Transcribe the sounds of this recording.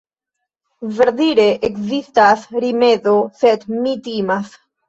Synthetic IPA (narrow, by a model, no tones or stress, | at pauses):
veɾðiɾeʔekzist̪asɾimeðoset̪mit̪imas